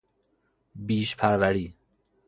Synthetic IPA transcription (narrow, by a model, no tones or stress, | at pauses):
biːʃpʰæɾvæɾiː